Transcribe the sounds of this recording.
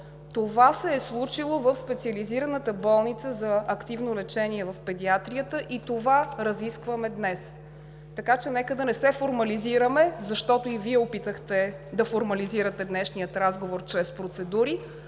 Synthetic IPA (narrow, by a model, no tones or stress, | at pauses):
t̪ovasɛːslˠut͡ʃilˠovəfspɛt̪siəliziɾənət̪əbɔlˠnit̪səzɐɐkt̪ivnolɛt͡ʃɛniɛvɐfpɛd̪iat̪ɾijət̪əʔit̪ovaɾɐziskvəmɛd̪nɛs | t̪ɐkat͡ʃɛnɛkəd̪ɐnɛsɛfoɾmɐliziɾəmɛzɐʃt̪ɔt̪oiviɛopit̪əxt̪ɛd̪ɐfoɾmɐliziɾət̪ɛd̪nɛʃnijət̪ɾazɡovoɾt͡ʃɾɛspɾot̪sɛd̪uɾi